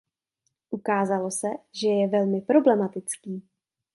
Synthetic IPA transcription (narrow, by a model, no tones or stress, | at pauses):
ʔukaːzalo̞sɛʒɛjɛvɛlmɪpɾo̞blɛmat̪ɪt͡skiː